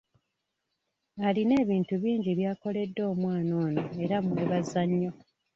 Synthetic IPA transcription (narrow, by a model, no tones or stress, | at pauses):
aline̞ːβiːntuβiːɲɟiβjaːko̞le̞dːo̞ːmwaːno̞ːnoeɾamweβazːaɲːo̞